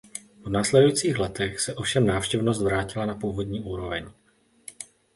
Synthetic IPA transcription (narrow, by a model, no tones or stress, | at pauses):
vnaːslɛdujit͡siːxlɛt̪ɛxsɛʔo̞fʃɛmnaːfʃcɛvnos̬t̪vɾaːcɪlanapuːvo̞dɲiːʔuːɾo̞vɛɲ